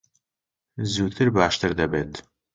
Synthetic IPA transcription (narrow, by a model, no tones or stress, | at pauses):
zuːt̪ʰɨɾbaːʃt̪əɾd̪ɐbeːt̪